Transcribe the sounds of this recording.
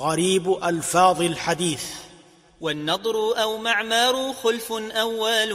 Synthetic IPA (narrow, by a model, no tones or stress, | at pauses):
ɣaɾiːbʔalfɑːðˤɪlħad̪iːθ | wanːɑd̪ˤɾʊʔawmaʕmɑːɾˤʊxʊlfʊnʔawːal